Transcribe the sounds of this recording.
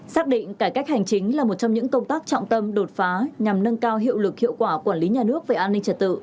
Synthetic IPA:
saː˦˥k̚ɗḭ̈˧˨ŋ̟kaː˧˩jka˦˥k̟̚ha˨˩jŋ̟t͡ɕï˨˦ŋ̟laː˨˩mo˨˩t̚t͡ɕɔ˧ŋ͡mɲɨ̰˧˥ŋkə˧wŋ͡mt̪aː˦˥k̚t͡ɕɔ̰˧˨wŋ͡mt̪ə˧mɗo˨˩t̚faː˨˦ɲa˨˩mnə˧nkaː˧wɦḭ˧˨əwlɨ˨˩k̚hḭ˧˨əwkwaː˧˩kwaː˧˩nli˨˦ɲaː˨˩nɨ˦˥ək̚ve˨˩ʔaː˧nːï˧ŋ̟t͡ɕə˧t̚t̪ɨ̰˧˨

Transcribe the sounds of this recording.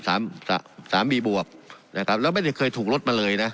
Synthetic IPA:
sa̰ː˩˦msa̰ː˩˦saː˩˦mbiː˧bu˨˩əp̚na˧˩kʰa˦˥p̚lɛː˦˥wma˥˩jta˥˩jkʰɤː˧jt̪ʰuː˨˩k̚lo˦˥t̪̚maː˧lɤː˧jna˦˥ʔ

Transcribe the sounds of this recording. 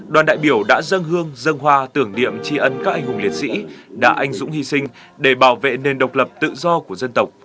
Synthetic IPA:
ɗwaː˨˩nɗa̰ː˧˨jɓi˧˩əwɗa̰ː˧˥zə˧nɦɨ˧əŋzə˧ŋɦwaː˧t̪ɨ˧˩əŋɗḭ˧˨əmt͡ɕi˧ʔə˧nkaː˦˥k̚ʔa˧jŋɦʊ˨˩ŋ͡mli˨˩ət̚sḭ˧˥ɗa̰ː˧˥ʔa˧jŋ̟zʊ̰˧˥ŋ͡mhi˧sï˧ŋ̟ | ɗe˧˩ɓaː˧˩wvḛ˧˨ne˨˩nɗə˨˩wk͡p̚lə˨˩p̚t̪ɨ̰˧˨zɔ˧ku˧˩əzə˧nt̪ə˨˩wk͡p̚

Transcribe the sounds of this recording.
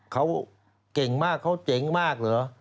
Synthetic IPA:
kʰa˦˥w | ke˨˩ŋmaː˥˩kʰːa˦˥wt͡ɕe˨˦ŋmaː˥˩k̚lɯ˨˩˦

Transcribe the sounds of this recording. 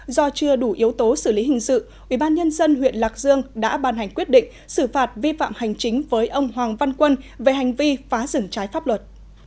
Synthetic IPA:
zɔ˧t͡ɕɨ˧əɗu˧˩ʔi˨˦əwt̪o˨˦sɨ˧˩li˨˦ɦï˨˩ŋ̟sɨ̰˧˨ | ʔwʔi˧˩ɓaː˧nɲə˧nzə˧nɦwḭ˧˨ənlaː˨˩k̚zɨ˧əŋɗa̰ː˧˥ɓaː˧˩nha˨˩jŋ̟kwi˦˥ət̚ɗḭ˧˨ŋ̟ | sɨ˧˩faː˨˩t̚vi˧fa̰ː˧˨mha˨˩jŋ̟t͡ɕï˨˦ŋ̟vəː˨˦jʔə˧wŋ͡mɦwaː˨˩ŋva˧nkwə˧nve˨˩ɦa˨˩jŋ̟vi˧faː˨˦zɨ̰˧˩ŋt͡ɕaː˨˦jfaː˦˥p̚lwə˨˩t̚

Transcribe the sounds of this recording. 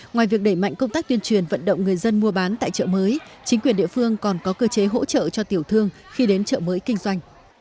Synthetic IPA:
ŋwaː˨˩jvi˨˩ək̚ɗə˧˩jma̰˧˨jŋkə˧wŋ͡mt̪aː˦˥k̚t̪wi˧ənt͡ɕwi˨˩ənvə̰˧˨nɗə̰˧˨wŋ͡mŋɨ˨˩əjzə˧nmu˧əɓaː˨˦nt̪a̰ː˧˨jt͡ɕə̰ː˧˨məː˨˦jt͡ɕï˨˦ŋkwi˨˩ənɗḭ˧˨əfɨ˧əŋkɔ˨˩nkɔ˨˦kəː˧t͡ɕe˨˦ɦo̰˧˥t͡ɕə̰ː˧˨t͡ɕɔ˧t̪i˨˩əwt̪ʰɨ˧əŋ | xi˧ɗe˨˦nt͡ɕə̰ː˧˨məː˨˦jkï˧ŋ̟zwa˧jŋ̟

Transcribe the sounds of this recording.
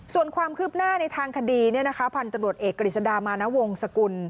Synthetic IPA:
su˨˩ənkʰwaː˧mkʰɯː˥˩p̚naː˥˩na˧jt̪ʰaː˧ŋkʰa˧diː˧ni˥˩ɐna˦˥kʰa˦˥pʰa˧nt̪a˧mɾu˨˩ət̪̚ʔeː˨˩kːa˧ɾi˨˩sa˧daː˧maː˧na˦˥wo˧ŋsa˧ku˧n

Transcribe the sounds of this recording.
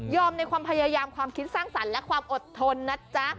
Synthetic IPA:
jɔː˧mna˧jkʰwaː˧mpʰa˧jaː˧jaː˧mkʰwaː˧mkʰi˦˥t̪̚saː˥˩ŋsa˩˦nlɛ˦˥kʰwaː˧mʔo˨˩t̪ʰːo˧nːa˦˥t͡ɕa˦˥ʔ

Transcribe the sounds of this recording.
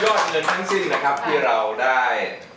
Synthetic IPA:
jɔː˥˩ŋɤː˧nt̪ʰa˦˥ŋsi˧˩ŋna˦˥kʰa˦˥p̚t̪ʰiː˥˩ɾa˧wdaː˥˩j

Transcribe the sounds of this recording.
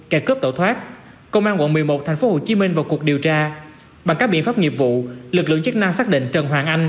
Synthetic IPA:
kɛ˧˩kəː˦˥p̚t̪o̰˧˩t̪ʰwaː˦˥t̚ | kə˧wŋ͡mʔaː˧nkwə̰˧˨nmɨ˨˩əjmo˨˩t̚t̪ʰɛ˨˩jŋ̟fo˨˦ho˨˩t͡ɕi˨˦mï˧ŋ̟vaː˨˩wku˨˩ək̚ɗi˨˩əwt͡ɕaː˧ | ɓa˨˩ŋkaː˦˥k̚ɓḭ˧˨ənfaː˦˥p̚ŋi˨˩əp̚vṵ˧˨lɨ˨˩lɨ̰˧˨əŋt͡ɕi˦˥k̚na˧msaː˦˥k̚ɗḭ˧˨ŋ̟t͡ɕə˨˩nwaː˨˩ŋʔa˧jŋ̟

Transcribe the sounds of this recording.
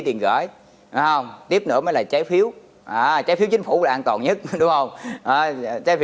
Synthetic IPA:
t̪i˨˩ənɣə̰ː˧˩j | hə˧wŋ͡mt̪i˦˥əp̚nɨ̰˧˥əməː˨˦jlaː˨˩t͡ɕaː˨˦jfi˨˦əw | ʔaː˨˩t͡ɕaː˨˦jfi˨˦wt͡ɕi˨˦ŋ̟fṵ˧˩˦laː˨˩ʔaː˧nt̪wɔ˨˩nɲə˦˥t̚ɗʊ˨˦ŋ͡mhə˧wŋ͡mʔaː˨˩˨t͡ɕaː˨˦jf

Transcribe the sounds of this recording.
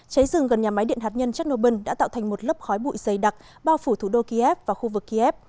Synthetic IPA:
t͡ɕə˨˦jzɨ˨˩ŋɣə˨˩nɲaː˨˩ma˨˦jɗḭ˧˨ənɦaː˨˩t̚ɲə˧nt͡ɕa˦˥k̚no˧ɓə˧ŋɗa̰ː˧˥t̪a̰ː˧˨t̪ʰŋ̟mo˨˩t̚lə˦˥p̚xɔ˨˦jɓṵ˧˨jzə˨˩jɗa˨˩k̚ | ɓaː˧wfu˧˩t̪ʰu˧˩ɗo˧ki˧ʔɛ˦˥p̚vaː˨˩xu˧vɨ˨˩kːi˧ʔɛ˦˥p̚

